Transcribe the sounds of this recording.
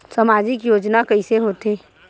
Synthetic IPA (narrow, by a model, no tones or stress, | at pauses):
samaːd͡ʒɪkjoːd͡ʒnakəɪseɦoːt̪eː